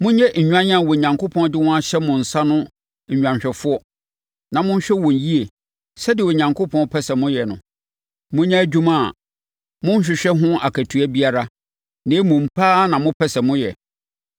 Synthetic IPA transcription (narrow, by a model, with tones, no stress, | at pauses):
mʊ̃˦ɲɛ˦ɲ̩˨ɲᶣã˦ɲã˦˨wɔ˨ɲã˨ŋkʰo˦pʰɔ̃˦n˦dɪ˦wɔ̃˦a˦ɕɛ˦mʊ̃˨n̩˨sa˦nʊ̃˦˨ | ɲᶣ˨ã˨ɲɕᶣɛ˨fʊ˦ɔ˦ | nã˨mʊ̃˦ɲ̩˦ɕᶣɛ˦wɔ̃˨n˨ji˦e˨ | sɛ˦dɪ˨wo˨ɲã˨ŋkʰo˦pʰɔ̃˦n˦pʰɛ˦sɛ˨mʊ̃˦jɛ˨nʊ̃˨ | mʊ̃˦ɲɛ̃˦d͡ʑᶣũ˦mã˦˨ | mʊ̃˦ɲ̩˦ɕᶣɪ˨ɕᶣɛ˦ɦʊ̃˦a˨kʰæ˨tʰu˨˦æ˦bi˦a˦ɾa˦ | nẽː˨˦mʊ̃˨m̩˨pʰaː˦nã˨mʊ̃˦pʰɛ˦sɛ˨mʊ̃˦jɛ̰˨